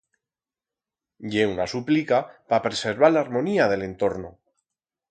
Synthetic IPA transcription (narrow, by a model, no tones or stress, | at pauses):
ʎe̞unasuplikapapɾe̞seɾβ̞alaɾmõ̞niaðe̞le̞nt̪o̞ɾno